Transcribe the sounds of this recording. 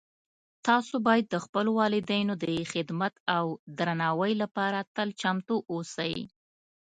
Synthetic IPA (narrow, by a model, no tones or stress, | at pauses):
t̪ɑsobɑjad̪ːəxpəlowɑlɪd̪əjnod̪əxɪd̪mat̪awd̪ɾanɑwəjlapɑɾat̪əlt͡ʃamt̪oʔosəj